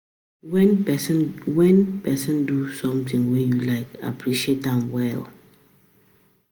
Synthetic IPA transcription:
wɛnɛsnwɛ̃npɛsɔ̃ndusɔ̃mtĩŋwɛ̃njulaɪka̰pʰɹiʃietãmwɛl

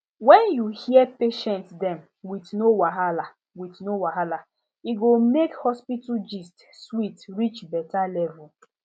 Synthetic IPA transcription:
wɛnjuhiɛpeʃɛ̃ntdɛm | witnowaɦala | witnowaɦala | iɡomekhɔspitud͡ʒist | switɾit͡ʃbɛtalɛvu

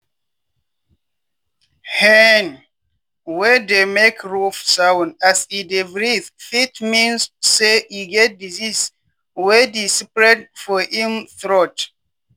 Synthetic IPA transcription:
hɛn | wɛdemekɹufsaw̃nasidevɹiθfitmĩnsːeiɡɛt̚dizis | wɛdisipɹɛtfɔhĩmθɹɔt

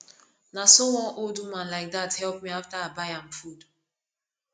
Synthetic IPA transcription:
nasowɔ̃noldumãnlaɪk̚ðathɛlˠp̚miaftaabaɪãmfud

